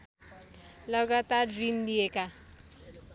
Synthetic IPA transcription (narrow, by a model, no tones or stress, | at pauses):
lʌɡat̪arrind̪ijeka